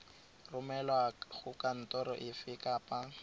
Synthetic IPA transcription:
rʊmɛlwaɣʊkan̩tɔɾɔʔɪfɪkʼapa

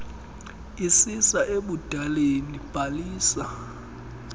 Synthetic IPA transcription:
isisaʔeɓud̥ʱalenib̥ʱaliːsa

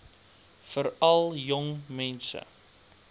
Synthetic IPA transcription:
fəɾɐlˠjɔŋmɛnsə̰

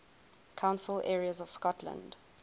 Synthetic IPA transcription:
kʰãʊ̃nsəlɛːɹiəzɔv̥skɔtʰlə̰̃nd

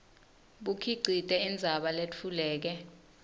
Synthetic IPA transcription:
ɓukʰiǀʱitʼɛind͡zʱaɓalet͡fʰulɛːk̬ɛ

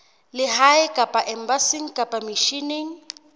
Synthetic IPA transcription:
lɪɦaɪkʼapʼaʔɛmbasiŋ̩kʼapʼamiʃiniŋ̩

